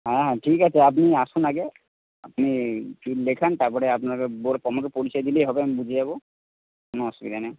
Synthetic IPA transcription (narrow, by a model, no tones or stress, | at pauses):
ɦɛ̃ɦɛ̃ʈʰikat͡ɕʰeap̬niaʃunaɡe | a̰pnikilekʰant̪aɾpɔɾeap̬nakeboɾpɔmokepoɾit͡ɕɔed̪ilejɦɔbeamibud͡ʑʱejabo | konoɔsubit̪ane